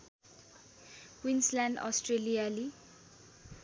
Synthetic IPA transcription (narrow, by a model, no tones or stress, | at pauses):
wĩnslãndɔ̰stɹeliali